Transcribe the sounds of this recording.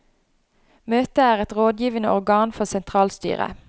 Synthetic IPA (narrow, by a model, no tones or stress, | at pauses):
møːt̪əæːʁɛt̪ʁoːd̪jiːʋənəʔɔʁɡɑːnfɔʁsɛnt̪ʰʁɑːlst̪y̰ːʁə̰